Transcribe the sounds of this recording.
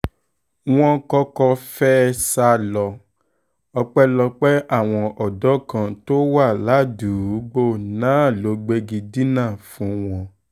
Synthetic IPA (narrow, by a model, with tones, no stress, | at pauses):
w̃ɔ̃˦kɔ˦kɔ˧fɛ˦sa˧˦lɔ˧ | ɔ˧k͡pɛ˦lɔ˧k͡pɛ˦ʔa˦˨w̃ɔ̃˧ʔɔ˨dɔ˨˦kã˧to˦wa˦˨la˨˦du˨˦ɡ͡bo˦˨nãː˨˦˨lo˨˦ɡ͡be˧ɡi˧di˦nã˦˨fũ˨˦w̃ɔ̃˧